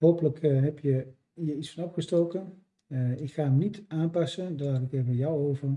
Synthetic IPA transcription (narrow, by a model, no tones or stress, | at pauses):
ɦowpələkɦɛpjə | ɦiəɹitsfɑnɑfχəstowkən | ɪkχaːəmnitaːmpɑsəndaɹlaːtɪkɛbəjawowvəɹ